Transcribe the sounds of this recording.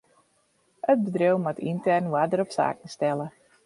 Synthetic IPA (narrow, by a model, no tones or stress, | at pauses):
əd̚bədrewmatintɛrnwadəɾɔpsa̰ːkən̩stɛlə